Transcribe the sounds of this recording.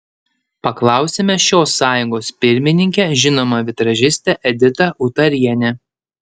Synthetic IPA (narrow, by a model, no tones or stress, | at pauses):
pɐklˠɑˑʊsʲemʲɛʃʲoːsːɑːjʊŋɡoːspʲɪɾʲmʲɪnʲɪŋʲkʲɛʒʲɪnoːmɐʋʲɪt̪ɾɐʒʲɪsʲt̪ʲɛʔɛd̪ʲɪt̪ɐʔʊt̪ɐɾʲiɛnʲɛ